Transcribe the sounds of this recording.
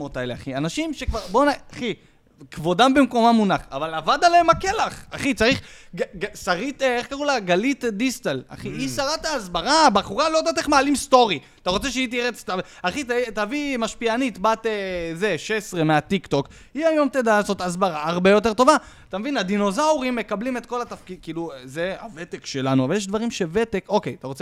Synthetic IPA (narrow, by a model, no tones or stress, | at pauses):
ot̪aelea̰χianaʃimʃekvaʁbonaaχi | kvo̞dambemko̞mamunaχavalavad̪aleemakelaχaχit͡saʁiχɡɡasaʁit̪eχkaʁulaɡalit̪d̪ist̪ala̰χiisaʁat̪aːzbaʁabaχuʁalo̞t̪at̪iχmaːlimst̪o̞ʁi | t̪aʁo̞t͡se̞ʃeit̬iʁet͡sta | aχitatavimaʃpianit̪bat̪ezeʃesʁe̞meat̪ikt̪o̞k | iajo̞mt̪ed̪aazo̞t̪azbaʁaaʁbe̞jo̞t̬e̞to̞va | t̪amevinad̪ino̞zauʁimːe̞kablimet̪ko̞lat̪afkidkiːluzeave̞t̪ekʃelanuavaljeʃ̬d̪vaʁimʃe̞vet̪e̞ko̞kejat̪aʁo̞t͡se